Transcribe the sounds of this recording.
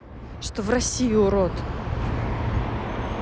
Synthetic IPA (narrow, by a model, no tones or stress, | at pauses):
ʂt̪ovrɐsʲijʊʊɾot̪